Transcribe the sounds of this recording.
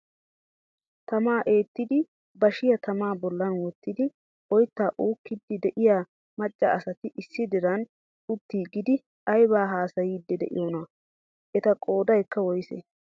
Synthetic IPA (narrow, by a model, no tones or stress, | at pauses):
t̪ɐmaːʔe̞ːt̪ːɪd̪ɪ | bɐʃɪjɐt̪ɐmaːbɔlːɐnwɔt̪ːɪd̪ɪ | ɔjt̪ːaːʔuːkːɪd̪ːɪd̪ɛʔɪjaː | mɐt͡ʃʼːɐɐsɐt̪ɪʔɪsːɪd̪ɪɾɐn | ʊt̪ːiːɡɪd̪ɪ | ɐjbaːɦaːsɐjiːd̪ːɛd̪ɛ̰ʔɪ̰joːnɐ | ʔɛt̪ɐkʼo̞ːd̪ɐjkːɐwɔjsḛ